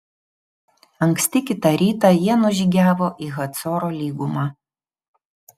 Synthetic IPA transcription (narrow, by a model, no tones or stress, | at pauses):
ɐŋksʲt̪ʲɪkʲɪt̪ɐɾʲiːt̪ɑjiɛnʊʒʲiːɡʲæːʋoːʔiːɣɐt̪sɔːɾoːlʲiːɡʊmɑː